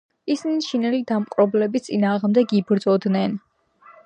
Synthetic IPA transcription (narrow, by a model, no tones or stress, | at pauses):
isiniʃinɛlid̪amqʼɾɔblɛbit̪sʼinaːʁmd̪ɛɡibɾd̪zɔd̪nɛn